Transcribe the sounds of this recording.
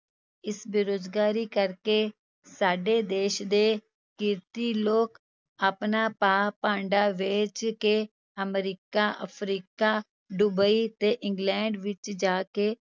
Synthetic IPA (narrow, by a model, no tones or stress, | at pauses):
ɪsbɪɾoːd͡ʒɡaːɾiːkəɾkeː | saːɖeːd̪eːʃd̪eː | kɪɾt̪iːloːk | əpnaːpaːpãːɳɖaːʋeːt͡ʃkeː | əmɾiːkaːʔə̰pʰɾiːkaː | ɖubəiːt̪eːʔɪŋɡlɛ̃ːɳɖʋɪt͡ʃd͡ʒaːkeː